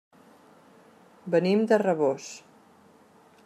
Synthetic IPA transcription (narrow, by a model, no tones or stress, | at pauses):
bənimd̪ərəβos